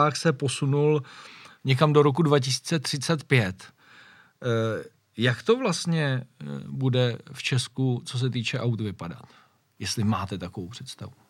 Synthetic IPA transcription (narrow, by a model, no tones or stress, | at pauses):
aːxsɛpo̞sunulɲɛk̬amdo̞ɾo̞k̬udvacɪsi̥t͡sɛt̪r̝̥ɪt͡sɛt̪pjɛt̪ | jakt̪o̞vlast̪ɲɛbudɛft͡ʃɛskut͡so̞s̬ɛt̪iːt͡ʃɛʔawt̪vɪpada̰t̪ | jɛst̪lɪmaːt̪ɛt̪akovowpr̝̥ɛt̪st̪avu